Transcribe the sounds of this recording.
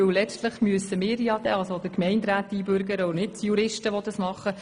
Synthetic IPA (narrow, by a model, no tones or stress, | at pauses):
ɵwlɛt͡ʃtləχmyəsəmɪːɾjɑd̥̪ɛ̰ːɑlsod̥əkmɛɪntɾæːtːiːbøɾɡəɾəʊnɪt̚tjuɾɪʃtəʋɔd̪ɑsmɑχːə